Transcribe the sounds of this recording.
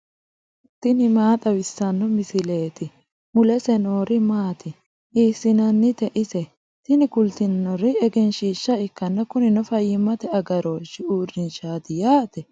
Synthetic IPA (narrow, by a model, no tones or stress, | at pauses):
t̪ɪnɪmaːt̪ʼɐwɪsːɐnːɔmɪsɪle̞ːt̪ɪ | mʊlɛsɛno̞ːɾɪmaːt̪ɪ | ʔiːsːɪnɐnːɪt̪ɛʔɪsɛ | t̪ɪnɪkʊlt̪ɪnnɔɾɪɛɡɛnʃiːʃːɐɪkːɐnːɐkʊnɪnɔfɐjɪmːɐt̪ɛɐɡɐɾoːʃɪuːrːɪnʃaːt̪ɪjaːt̪ɛ